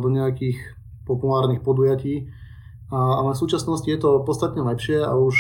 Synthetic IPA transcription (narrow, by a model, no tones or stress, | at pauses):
d̪ɔɲɛjakiːx | pɔpulaːɾnixpɔd̪ujaciː | aalɛfsuːt͡ʃasnɔscijɛt̪ɔpɔt̪t͡st̪at̪ɲɛlɛpʃɪɛa̰uʃ